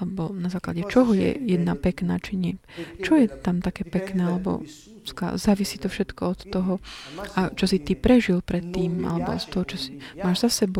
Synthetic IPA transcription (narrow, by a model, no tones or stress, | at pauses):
lɛbɔnazaːkla̰ɟɛt͡ʃɔɦɔjɛ̰jɛd̪napɛkna̰ːt͡ʃiɲɪɛt͡ʃɔjɛt̪amt̪akɛːpɛknɛːalɛbɔ̰ | ska̰zaːʋisiːt̪ɔfʃɛt̪kɔɔt̪ːɔɦɔat͡ʃɔsit̪ipɾɛʒilpɾɛt̪ːiːma̰lɛbɔ̰st̪ɔɦɔt͡ʃɔsimaːʒzasɛbɔ